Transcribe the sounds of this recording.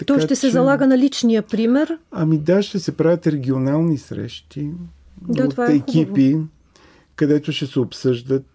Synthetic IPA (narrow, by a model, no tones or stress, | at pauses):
t̪ɐɔkjaʃt̪ɛsɛzɐlˠaɡənɐlit͡ʃnijəpɾimɛɾɐmid̪aʃt̪ɛsɛpɾavʲət̪ɾɛɡʲionalˠnisɾɛ̰ʃt̪ʰi | daaɛkʲipi | kɐd̪ɛt̪oʃɛsɛopsɤʒd̪ət̪̚